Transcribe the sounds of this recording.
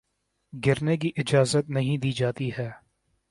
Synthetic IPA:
ɡɪɾnek̬iʔɪd͡ʒaːzət̪̚nɐɦĩd̪iːd͡ʒaːt̪iɦɛː

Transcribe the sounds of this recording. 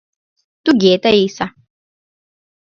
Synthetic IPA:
t̪uɡeːt̪ɐiːsa

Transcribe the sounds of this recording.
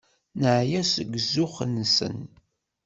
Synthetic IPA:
nəʕjæsəɡzʊχənsə̰n

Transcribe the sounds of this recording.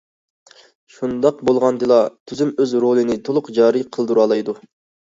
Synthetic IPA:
ʃund̪ɑq̚bolˠʁɑnd̪ɨlˠɑt̪ʰyzymøzɾolˠɨnɪt̪ʰolˠʊqd͡ʒɑːɾiqʰəlˠd̪uɾɑlˠɑjd̪u

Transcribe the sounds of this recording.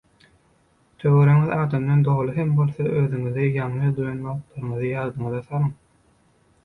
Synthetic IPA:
t̪ʰøɣøɾæŋiðɑːd̪ɑmd̪ɑnd̪o̞ʁlˠɯɦembo̞lˠθɑʔøðyŋyðejɑŋɯd̪ujɑnmɑlˠɯqlˠɑɾɯɴɯðɯjɑðd̪ɯŋɯðɑθɑlˠɯŋ

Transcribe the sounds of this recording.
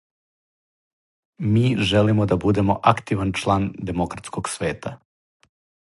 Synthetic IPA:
miːʒelimod̪abud̪e̞mo̞ʔakt̪iʋant͡ʃlˠaːnd̪e̞mokɾat̪skoɡsʋeːt̪a

